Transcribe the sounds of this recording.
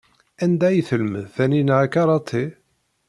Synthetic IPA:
ænd̪æjθəlməðθæninʕakɑɾˤɑt̪ˤʰːi

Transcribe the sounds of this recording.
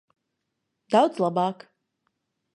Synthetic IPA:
d̪awd̪zlˠabaːk

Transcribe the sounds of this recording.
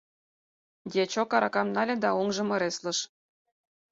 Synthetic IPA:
dʲet͡ɕokɑɾɑkɑmnɑlʲĕd̪ɑoŋʒɤ̆mɤ̆ɾeslɤ̆ʃ

